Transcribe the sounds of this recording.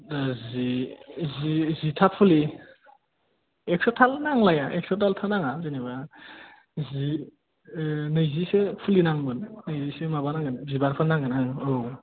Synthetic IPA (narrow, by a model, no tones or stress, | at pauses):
dazizizitʰapʰuli | ek̚sɔtʰalnaŋlajaʔek̚sɔtʰaltʰanaŋazeneβa | zi | nɯjzisepʰulinaŋbɯnnɯjzisemabanaŋɯnzibaɾpʰanaŋɡɯnaŋo